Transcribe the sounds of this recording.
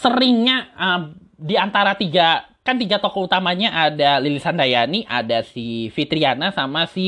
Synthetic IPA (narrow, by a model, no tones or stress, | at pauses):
səɾɪŋɲaə | diant̪aɾat̪iɡakant̪iɡat̪okɔut̪amaɲaʔadalilisandajaniʔa̰dasifit̪ɾianasamasi